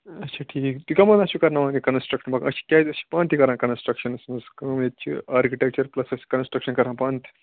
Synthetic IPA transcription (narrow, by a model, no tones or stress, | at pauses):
ɐtːt͡ʃʰaːʈʰiːkt̪ukɐmɐ̃nɐsukɐɾnaʋaːd̪ikɐnsʈɾɐkʃɐnbɐkʔɐ̰ʃi̥kʲjaːɐsi̥pãːnt̪ikɐɾãːkɐnsʈɾɐkʃɐnɐsnɐskɐmet̪t͡ʃʰḭaːɾkiʈek̚t͡ʃɐɾplɐsɐsi̥kɐnsʈɾɐkʃɐnkɐɾãːpãːnt̪ʰi̥